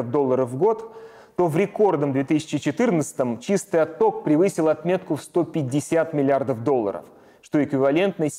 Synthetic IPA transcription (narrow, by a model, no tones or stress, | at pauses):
əvd̪o̞lˠːəɾəfːɡo̞t̪ː | o̞vɾʲɪko̞rd̪əmd̪vʲe̞t̪ɨsʲɪ̥t͡ɕɪt͡ɕɪt̪ɨrnət̪sə̥t̪əmt͡ɕist̪ɨjɐt̪ːo̞k̚pɾʲɪvɨsʲɪlˠɐt̪mʲe̞t̪kʊfst̪o̞pʲɪdʲːɪsʲat̪mʲɪlʲɪard̪əfd̪o̞lˠːə̰ɾə̰f | ʂt̪o̞ɪkvʲɪvɐlʲe̞nt̪nə